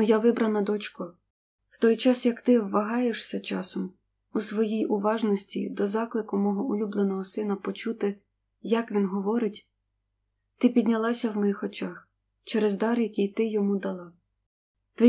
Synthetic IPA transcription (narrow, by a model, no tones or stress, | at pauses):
jaʋɪbɾɐnɐd̪ɔt͡ʃkʊ | w̥t̪ɔjt͡ʃɑsjɐkt̪ɪwːɐɦɑjeʃsʲɐt͡ʃɑsɔm | usʋɔjijʔʊʋɑʒnɔsʲtʲḭd̪ɔzɑklˠɪkʊmɔɦɔʊlʲublˠenɔɦɔsɪnɐpɔt͡ʃut̪ɪ | jɐkʋʲinɦɔʋɔɾɪtʲ | t̪ɪpʲid̪ʲnʲɐlˠɑsʲɐwmɔjixɔt͡ʃɑx | t͡ʃɛɾɛzd̪ɑrjɐkʲijt̪ɪjɔmud̪ɐlˠɑ | t̪ʋɛ